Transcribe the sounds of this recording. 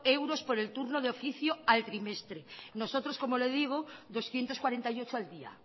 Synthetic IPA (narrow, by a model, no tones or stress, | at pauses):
ewɾo̞spoɾe̞lt̪uɾnoðeofiθjoalt̪ɾime̞st̪ɾeno̞so̞t̪ɾosko̞moleðiɣ̞oðo̞sθje̞nt̪oskwaɾe̞nt̪ajo̞t͡ʃoald̪ia̰